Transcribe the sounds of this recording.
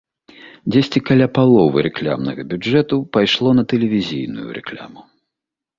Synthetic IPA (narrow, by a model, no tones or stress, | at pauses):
d͡zʲesʲt͡sʲikalʲapalˠɔvɨ̰ɾɛklʲa̰mnɐ̰ɣɐbʲud͡ʐɛt̪upajʂlˠɔnɐt̪ɛlʲɛvʲizʲijnujṵɾɛ̰klʲa̰mu